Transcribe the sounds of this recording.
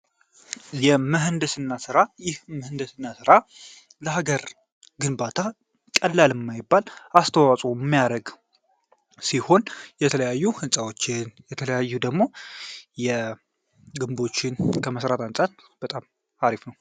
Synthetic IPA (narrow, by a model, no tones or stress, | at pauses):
jɛməɦɨnd̪əsɨnːasɨɾajɪhməhɨnd̪əsɨnːasɨɾa | ləɦaɡəɾ | ɡɨnbat̪ʰa | kʼəlːalɨmːajɪbːalast̪ʰəwasʼumːijaɾəɡ | siho̞njɛt̪ʰələjajːuhɨnsʼawo̞t͡ʃːɪnjɛt̪ʰələjajːud̪əɡmo̞jɛ | ɡɨmbo̞t͡ʃːɪnkʰəməsɾat̪ansʼat̪̚b̥ət̪ʼam | aɾifnəw